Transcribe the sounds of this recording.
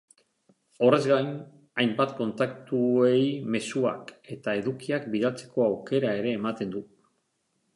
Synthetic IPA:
o̞re̞zɡajn | ajmbat̪ko̞nt̪ak̚t̪ue̞jme̞sua̰ke̞t̪ae̞ðukiakbiðalt͡se̞̥ko̞awke̞ɾae̞ɾe̞ːmat̪e̞nd̪u

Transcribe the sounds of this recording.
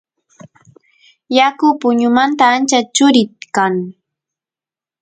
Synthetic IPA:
jakʊpʊɲʊmant̪aːnt͡ʃat͡ʃʊɾɪt̪kaŋ

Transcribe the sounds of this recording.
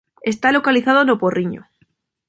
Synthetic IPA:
e̞st̪alokaliθað̞onoporʔiɲo̰

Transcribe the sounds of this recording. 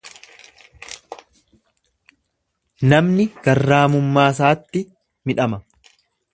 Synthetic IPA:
nɐmnɪɡ̥ɐrːaːmʊmːaːs̬aːt̪ːɪ | mɪᶑɐmɐ

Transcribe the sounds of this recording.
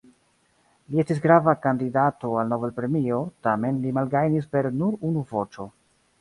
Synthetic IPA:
liestis̬ɡɾavakandidato̞alno̞velpɾe̞mio̞tame̞nlimalɡajnispe̞ɾnuɾunuvo̞t͡ʃo̞

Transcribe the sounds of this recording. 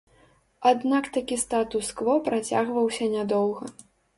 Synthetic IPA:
ad̪nakt̪akʲist̪at̪usklˠɔpɾat͡sʲaɣvɐwsʲɐnʲad̪ɔwɣɐ

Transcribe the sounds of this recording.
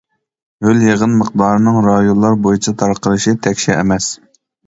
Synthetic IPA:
høljeʁənməq̚d̪ɑːɾɨnɨŋɾɑjonlˠɑɾbojit͡ʃʰɑt̪ʰɑɾqəɾɨʃit̪ʰɛkʲʃɛʔḛmɛs

